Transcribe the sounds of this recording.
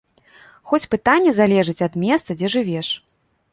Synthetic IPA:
xɔt͡sʲpɨt̪anʲːɛzalʲɛʐɨt͡sʲɐd̪mʲɛst̪sɐd͡zʲɛʐɨvʲɛʂ

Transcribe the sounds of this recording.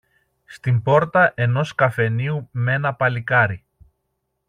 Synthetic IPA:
st̪imbo̞ɾt̪ɐʔe̞no̞skɐfe̞niume̞nɐpɐlikɐɾi

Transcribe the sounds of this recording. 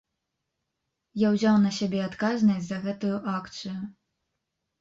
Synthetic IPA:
jawzʲawnɐsʲabʲɛat̪kaznɐsʲzɐɣɛt̪ujuʔakt̪sɨju

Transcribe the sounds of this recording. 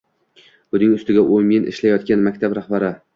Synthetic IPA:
bʊnɪŋʊst̪ɪɡʲaʔʊmenʔɪ̰ʃlajɒt̪kʲanmakʲt̪ʰabɾaχbaɾɪ

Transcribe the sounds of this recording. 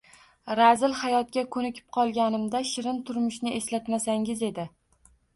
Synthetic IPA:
ɾazɪlhajɒt̪̚kʲakʰɵnɪkʲʰɪ̥p̚qʰɒlˠɡʲanɪmd̪aʃɪɾɪnt̪ʰʊɾmʊʃnɪʔe̞slat̪masaŋʲɪze̞d̪ɪ

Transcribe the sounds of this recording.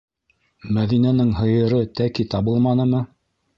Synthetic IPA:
mæðinænɘŋɦɤ̆jɤ̆ɾɤt̪ækit̪ɑbɤlˠmɑnɤ̆mɤ

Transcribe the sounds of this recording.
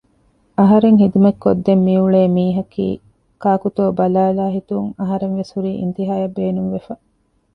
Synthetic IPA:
ɐɦɐɾeŋɦid̪umɐkːod̪ːemːiuɭeːmiːɦɐkḭː | kaːkut̪oːbɐlaːlaːɦit̪uŋɐɦɐɾeŋʋesuɾiːʔḭnt̪iɦaːjɐbeːnuŋʋefɐ

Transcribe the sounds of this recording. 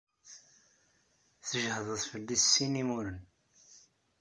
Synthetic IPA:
θəʒhəðˤəðˤfəlːisːinimuɾən

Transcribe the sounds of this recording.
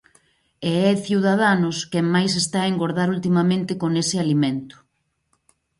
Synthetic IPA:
eɛθjiwð̞að̞anʊskɛŋmajs̬est̪aeŋɡoɾðaɾult̪imamẽnt̪ɪkoŋesɪalimẽnt̪ʊ̥

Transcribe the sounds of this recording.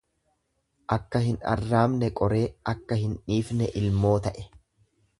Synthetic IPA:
ʔɐkːɐhɪnɐ̰rːaːmnɛkʼɔɾe̞ːʔɐkːɐhɪnᶑiːfnɛʔɪlmo̞ːt̪ɐʔɛ̥

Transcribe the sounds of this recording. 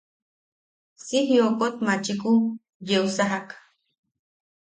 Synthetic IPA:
sihjokʼot̪mat͡ʃikʼu | jewsaɦak

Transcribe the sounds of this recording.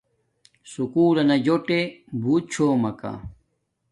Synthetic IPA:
sukuːlɐnɐd͡ʑoʈebʱuːt̪̚t͡ɕʰoːmɐka̰

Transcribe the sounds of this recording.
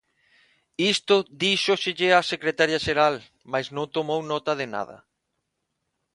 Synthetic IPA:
ist̪ʊd̪iʃoʃɪʎɪasekɾet̪aɾjaʃeɾal | majsnõŋt̪omownɔt̪ɐðena̰ðɐ̰

